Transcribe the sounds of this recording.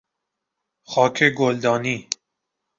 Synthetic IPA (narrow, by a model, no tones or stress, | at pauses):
xɑːkʰeɡold̪ɑːni